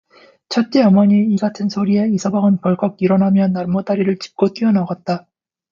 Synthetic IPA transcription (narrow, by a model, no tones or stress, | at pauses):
t͡ɕʰʌt̚t͡ɕ͈eʌmʌɲiːɡatʰɯnsʰoɾie̞isʰʌbaɡɯnpʌɭɡ͈ʌk̚iɾʌnɦamjʌnːaɭmʌdaɾiɾɯɭt͡ɕi̥p̚k͈ot͈iʌnaɡat̚t͈a